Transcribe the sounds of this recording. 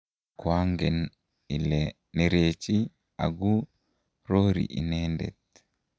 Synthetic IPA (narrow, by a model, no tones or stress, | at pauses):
kʊaŋɡɛn | ɪlɛ | nɛɾeːt͡ʃi | a̰ɡu | ɾoːɾḭʔɪ̰neːnd̪ɛ̰t̪̚